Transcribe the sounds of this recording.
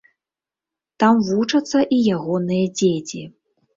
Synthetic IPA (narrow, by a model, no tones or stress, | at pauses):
t̪amvut͡ʂɐt̪sːɐʔijaɣɔnɨjɐd͡zʲet͡sʲi